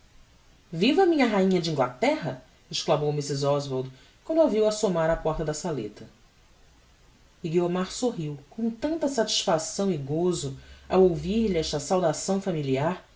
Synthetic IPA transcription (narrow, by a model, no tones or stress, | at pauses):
vivɐmĩɲɐɦaĩɲɐd͡ʒɪĩŋɡlat̪ɛɦɐ | eʃklamowmisɪzɔzvoɾd̪ | kwɐ̃nd̪aviwasomaɾɐpɔɾt̪ɐd̪ɐsalḛt̪ɐ | ɪɡiomaɾsoɦiwkõt̪ɐ̃nt̪ɐsat͡ʃi̥ʃfasɐ̃w̃ɪɡozʊa̰wowviɾʎɪɛʃt̪ɐsawd̪asɐ̃w̃familiaɾ